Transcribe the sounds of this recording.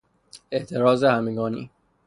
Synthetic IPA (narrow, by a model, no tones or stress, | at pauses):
e̞ʔt̪ʰe̞ɾɒːzehæmeɡɒːnḭː